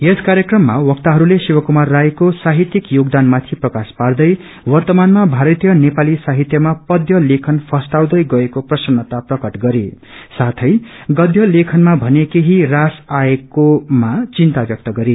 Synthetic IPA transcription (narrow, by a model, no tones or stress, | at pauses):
eskaɾjʌkrʌmːawʌk̚t̪aɦʌɾulesiwʌkumarːajkosaɦit̪jikjoɡd̪anmat̪ʰiprʌkaspard̪ʌj | wʌrt̪ʌmanmabʱaɾʌt̪ijʌnepalisaɦit̪jʌmapʌd̪ʱjʌlekʰʌnpʰʌsʈaw̃d̪ʌjɡʌekoprʌsʌnːʌt̪aprʌkʌʈɡʌɾe | sat̪ʰʌjɡʌd̪ʱjʌlekʰʌnmabʱʌnekeɦirasaekomat͡sint̪abjʌk̚t̪ʌɡʌɾe